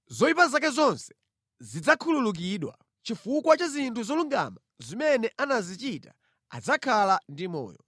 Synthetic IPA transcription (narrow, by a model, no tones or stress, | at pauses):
zɔipazak̬ɛzɔnsɛ̥ | zid͡zakʰululuk̬iɗwa̰ | t͡ʃifukwat͡ʃazintʰuzɔluŋɡa̰ma | zimɛnɛʔanazit͡ʃita̰ | a̰d͡zakʰalandimɔ̰ːjɔ